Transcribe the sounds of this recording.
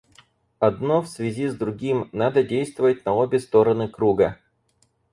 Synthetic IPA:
ɐd̪no̞fsvʲɪzʲizd̪ɾʊɡʲimnad̪ədʲejst̪vəvət̚ʲnɐo̞bʲɪst̪o̞ɾənɨkɾuɡə

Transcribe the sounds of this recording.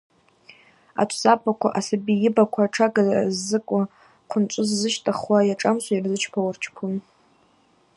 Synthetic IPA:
a̰t͡ʃʷʰsapʰʼakʷʰa̰ʔasabijɪbakʷʰaʈ͡ʂʰaɡazzːɨkʷʼa | qʷʰʊnt͡ʃʷʼʊzːɨʃtʼaχwajaʈ͡ʂʼamʃʷairzɨt͡ʃʰpʰawart͡ʃʰpʰun

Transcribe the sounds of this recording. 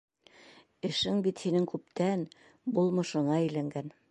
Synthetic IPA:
ɘ̆ʃɘŋbit̪hinɘŋkʉp̚t̪æn | bulˠmɤ̆ʃɤ̆ɴɑɘ̆jlæŋɡæn

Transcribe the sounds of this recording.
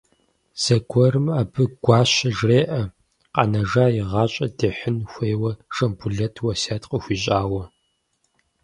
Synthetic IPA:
z̥ɐɡʷʰɔɾɨmaːbɨɡ̥ʷɑːɕɐʒreːʔɐ | qɑ̰nɐʒaːjɪʁɑːɕʼɐdeːħɨnxʷeːwɐʂɐmbʊɮɐtʰwɐsaːtqəxʷiːɕʼaːwɐ

